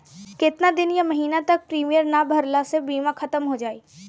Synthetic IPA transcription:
kɪt̪nad̪ɪnjamɐɦiːnat̪ɐk̚pɾiːmijəɾnabʱɐɾlasebiːmãkʰɐt̪əmɦod͡ʒaːiː

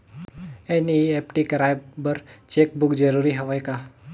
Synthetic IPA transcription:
ɛniɛpʈikəɾajbbəɾt͡ʃek̚buk̚d͡ʒəɾuɾiɦəʋajka

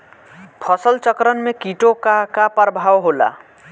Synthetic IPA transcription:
pʰʌsəlt͡ʃəkɾənmekiʈokakapəɾbʱawɦola̰

